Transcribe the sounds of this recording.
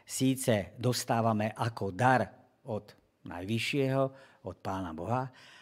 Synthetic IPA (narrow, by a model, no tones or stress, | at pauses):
siːt͡sɛd̪ɔst̪aːʋamɛʔakɔd̪aɾ | ɔd̪ | na̰jʋiʃɪɛɦɔɔt̪̚paːnabɔɦa